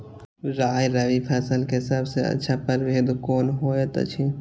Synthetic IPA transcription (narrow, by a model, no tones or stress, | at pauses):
ɾaːjɾɐʋipʰaːsəlkeɦɪsaːbseɐ̰tːʃʰapəɾʋeːd̪koːnɦoːjet̪ɐ̰t͡ʃʰi